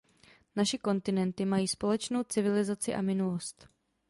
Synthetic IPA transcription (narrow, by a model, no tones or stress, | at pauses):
naʃɪko̞nt̪ɪnɛnt̪ɪmajiːspo̞lɛt͡ʃno̞wt͡sɪvɪlɪzat͡sɪʔa̰mɪnulo̞st̪